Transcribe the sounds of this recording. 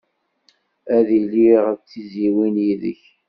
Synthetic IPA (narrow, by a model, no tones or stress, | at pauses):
æðiliʁət͡sːiziwinjiðə̰ç